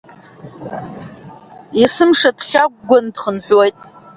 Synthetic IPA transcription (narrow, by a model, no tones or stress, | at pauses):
isɨmʂadχʲaɡ̚ʷɡʷʊndχənħʷᶣwejtʼ